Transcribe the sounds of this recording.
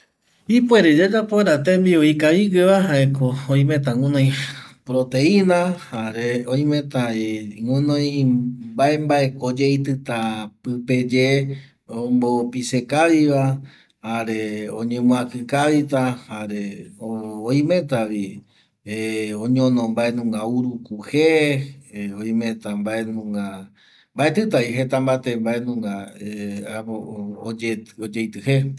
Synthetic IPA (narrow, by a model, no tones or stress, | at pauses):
ipweɾed͡ʒad͡ʒapoeɾat̪embioikaiɡɨβaɦaekooĩmẽt̪aŋũnõj̃pɾot̪eĩnahaɾeoj̃mẽ̞t̪aeŋũnõj̃bae̞mbaekod͡ʒeit̪ɨt̪apɨpe̞d͡ʒe | ombopisekaʋiʋa | haɾeõɲẽmũãkɨkaʋit̪ahaɾeooĩmẽ̞t̪aʋi | õɲõnõmbae̞nũŋɡauɾukuhe | oĩmẽt̪ambae̞nũŋɡa | mbae̞t̪ɨt̪aiɦe̞t̪ambat̪embae̞nũŋɡa | ood͡ʒeod͡ʒejt̪ɨhe̞